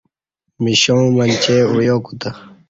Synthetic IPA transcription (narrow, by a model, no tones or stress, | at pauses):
miɕõmɐnʲt͡ɕeujoːkut̪ɐ